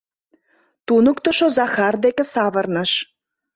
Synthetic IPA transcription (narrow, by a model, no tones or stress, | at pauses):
t̪unə̆kt̪ŏʃozɑxɑrd̪ekĕsɑβə̆rnə̆ʃ